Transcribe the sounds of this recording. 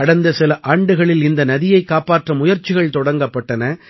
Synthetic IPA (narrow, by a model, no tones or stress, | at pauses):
ɐɽɐnd̪ɐsɪlɐʔaːɳɖɯɣɐɭɪlɪnd̪ɐnɐðɪjɐɪkːaːpaːʈrɐmʊjɐɾt͡ʃːɪɣɐɭt̪ɔɽɐŋɡɐpːɐʈːɐnɐ